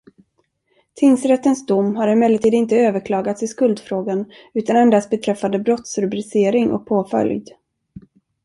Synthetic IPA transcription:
t̪ʰɪnsɾɛt̪ːənsd̪ʊmːɦaɾɪmɛlːəɾt̪ʰiːd̪ɪnt̪əøːvəɾkʰlɑːɡat̪sɪskɵld̪fɾoːɡan | ʉ̟ːt̪anɛnd̪ast̪bɛt̪ʰɾɛfːand̪əbɾɔt̪sɾɵbɾɪseːɾɪŋɔ̰k̚pʰoːfœ̰ljd̪

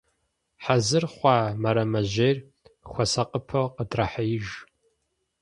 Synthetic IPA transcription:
ħazɨrχʷɑːmɐɾɐmɐʑeːrʲ | xʷɔsɐqʼəpʰɐwqədrɐħajɪʒ

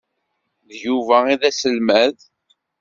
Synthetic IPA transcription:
ðjuvæiðæsəlmæð

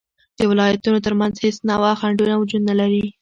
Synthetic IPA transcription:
d̪̥əwɪlɑjat̪unot̪̬əɾmanzhesnɑwɑxaɳɖunawʊd͡ʒud̪nalaɾi

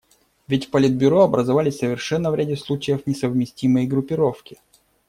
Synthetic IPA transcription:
vʲɪtʲfpɐlʲɪd̪̚bʲʊɾo̞ɐbɾəzɐvalʲɪsʲsəvʲɪrʂɛnːəvɾʲædʲɪslˠut͡ɕɪjəfnʲɪsəvmʲɪsʲtʲiməjɡɾʊpʲɪɾo̞fkʲɪ̥

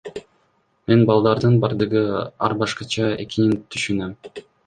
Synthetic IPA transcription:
me̞nbɑlˠd̪ɑɾd̪ɯnbɑɾd̪ɯʁɯɑ̰ɾbɑʃqɑt͡ʃɑe̞̰kinint̪ʰyʃynøm

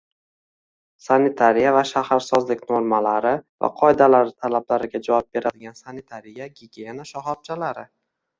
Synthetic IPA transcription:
sanit̪ʰaɾijavaʃahaɾsɒzlɪkʲnoɾmalaɾɪva̰qʰɒɪd̪alaɾɪt̪ʰalablaɾɪɡʲad͡ʒavɒp̚be̞ɾad̪ɪɡʲansanit̪ʰaɾijaɡʲiɡʲejenaʃahɒp̚t͡ʃʰalaɾɪ

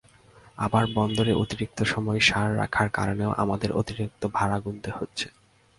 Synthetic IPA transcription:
abaɾbɔnd̪oɾeʔot̪iɾik̚t̪oʃɔmɔeʃaɾːa̰kʰaɾka̰ɾoneoʔa̰mad̪eɾʔo̰t̪iɾik̚t̪obʱaɾaɡunt̪ehotːɕʰe̥

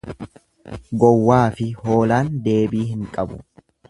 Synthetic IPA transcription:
ɡɔwːaːfɪho̞ːlaːnd̪e̞ːbiːhɪŋkʼɐbʊ̰

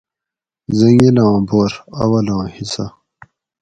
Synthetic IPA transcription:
zɐŋelãːboːɾɐwɐlãːhisɐ

